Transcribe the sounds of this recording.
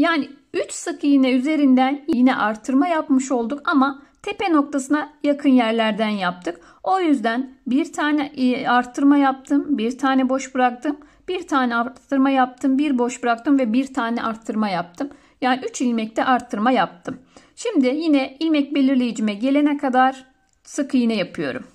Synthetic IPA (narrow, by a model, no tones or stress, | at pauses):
jaːni | yt͡ʃsɯkʰɯjinɛyze̞ɾind̪ænjijinɛʔaɾt̪ʰːɯɾmajapmɯʃo̞lˠd̪ukamat̪ʰe̞peno̞k̚t̪ʰasɯnajakʰɯnjæɾlʲæɾd̪ænjap̚t̪ʰɯk | o̞jyzd̪ænbiɾt̪ʰaːnɛaɾt̪ʰːɯɾmajap̚t̪ʰɯmbiɾt̪ʰaːnɛbo̞ʃbɯɾak̚t̪ʰɯm | b̥iɾt̪ʰaːnɛat̪ʰːɯɾmajap̚t̪ʰɯmbiɾbo̞ʃbɯɾakt̪ʰɯmvɛbiɾt̪ʰaːnɛʔaɾt̪ʰːɯɾmajap̚t̪ʰɯm | jaːniyt͡ʃilʲmɛc̚t̪ʰɛʔaɾt̪ʰːɯɾmajap̚t̪ʰɯm | ʃimd̪ɪjinɛilʲmɛc̚be̞lʲiɾlʲe̞jid͡ʒimɛɟe̞lʲe̞nɛkʰad̪aɾ̥ | sɯkʰɯjinɛjapʰɯjo̞̰ɾṵm